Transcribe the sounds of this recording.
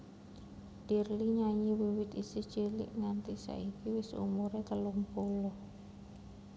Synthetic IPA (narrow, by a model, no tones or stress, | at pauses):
d̪̥irliɲaɲiwiwɪt̪isɪ̥ʒ̥e̤lɪ̰ʔŋant̪isa̰ikiwɪsṵmuɾet̪əlumpolɔ